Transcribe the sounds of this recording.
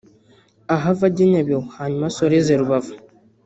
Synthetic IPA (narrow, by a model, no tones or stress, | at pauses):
aɦavadeɲabewhaɲmasoɾezeɾubava